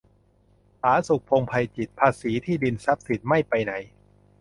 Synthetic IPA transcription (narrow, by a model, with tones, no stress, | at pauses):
haː˩˦su˨˩k̚pʰo˧ŋpʰa˧jt͡ɕi˨˩t̪̚pʰaː˧siː˩˦t̪ʰiː˥˩di˧nsa˦˥p̚si˨˩t̪̚ma˥˩jpa˧jna˩˦j